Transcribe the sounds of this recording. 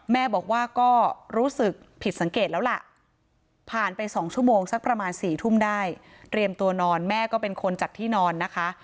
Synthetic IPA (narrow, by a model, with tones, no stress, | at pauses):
mɛː˥˩bɔː˨˩k̚waː˥˩kɔː˥˩ɾuː˦˥sɯ˨˩k̚pʰi˨˩t̪̚sa˩˦ŋkeː˨˩t̪̚lɛː˦˥wla˨˩ʔ | pʰaː˨˩npa˧jsɔː˩˦ŋt͡ɕʰu˥˩əmoː˧ŋsa˦˥k̚pɾa˧maː˧nsiː˨˩t̪ʰu˥˩mdaː˥˩j | t̪ɾi˧əmt̪u˧ɐnɔː˧nmɛː˥˩kɔː˥˩pe˧nkʰo˧nt͡ɕaː˨˩k̚t̪ʰiː˥˩nɔː˧nːa˦˥kʰa˦˥ʔ